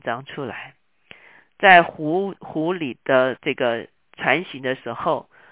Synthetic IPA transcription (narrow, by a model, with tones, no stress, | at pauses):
ʈ͡ʂɑ˧˥ŋʈ͡ʂʰu˥la̰˧˥ɪ | t͡sa˥˩ɪxu˧˥xu˧˥li˨˩d̪̥ə˦ʈ͡ʂɤ˥˩ɡə˩ | ʈ͡ʂʰwa˧˥nɕi˧˥d̪ə˧ʂɻ̩˧˥xo˥˩ʊ